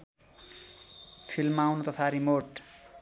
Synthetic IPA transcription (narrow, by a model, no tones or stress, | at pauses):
pʰilmawnut̪ʌt̪ʰaɾimoʈ